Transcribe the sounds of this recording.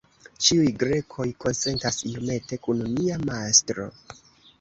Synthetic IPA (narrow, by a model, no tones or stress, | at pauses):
t͡ʃiujɡɾe̞kʰo̞jko̞nse̞ntasio̞me̞te̞kununiamastɾo̞̰